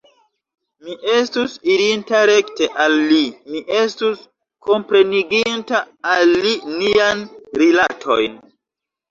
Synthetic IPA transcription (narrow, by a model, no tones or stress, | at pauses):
miʔe̞stusiɾintaɾe̞kte̞ʔalːimiʔe̞stus | kʰo̞mpɾe̞niɡintaː | lːinianɾilatʰo̞̰jn